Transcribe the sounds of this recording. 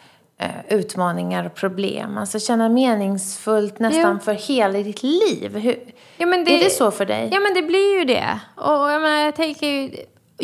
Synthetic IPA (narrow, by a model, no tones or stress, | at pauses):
ʉ̟ːt̪mɑːnɪŋaɾɔpʰɾʊblḛːmalsɔɕɛnːameːnɪŋsfɵlt̪nɛt̪anfœɾheːlad̪ɪt̪ʰliːvɦɵ | ɑːmɛnd̪ɛɖɛsɔfœɖɛ̰jjɑːmɛnd̪ɛblɪɾjɵd̪ɛ̰ɔjameːnajɑt̪ʰɛŋkəɾj